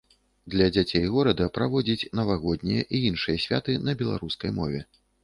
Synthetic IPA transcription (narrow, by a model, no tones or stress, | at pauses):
d̪lʲɐd͡zʲat͡sʲejɣɔɾɐd̪ɐpɾavɔd͡zʲit͡sʲnɐvaɣɔd̪nʲijɐʔiinʂɨjɐsʲvʲa̰t̪ɨnɐbʲɛlˠa̰ɾuskɐjmɔvʲɛ